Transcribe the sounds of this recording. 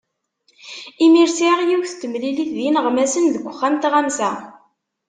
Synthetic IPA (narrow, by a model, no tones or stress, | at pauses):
imiɾsiʁjiwθt̪ːəmliliθðjinʁmæsənðəɡʷəχːæmt̪ʁæmsæ